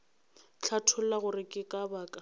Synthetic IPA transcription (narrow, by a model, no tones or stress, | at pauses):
t͡ɬʰatʰʊl̩laɣʊrɪkʼɪkʼabaːkʼa